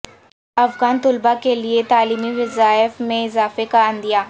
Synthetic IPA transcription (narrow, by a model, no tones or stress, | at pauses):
ɐfɡaːnt̪ʊlbakeliet̪aːliːmiʋɪzaːəfmẽɪzaːfekaənd̪ijaː